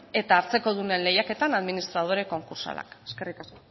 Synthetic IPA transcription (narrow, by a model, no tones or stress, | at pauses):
e̞t̪aːɾt͡se̞ko̞ð̞une̞nle̞jake̞t̪anaðminist̪ɾað̞o̞ɾe̞ko̞ŋkuɾsa̰la̰keskerikasko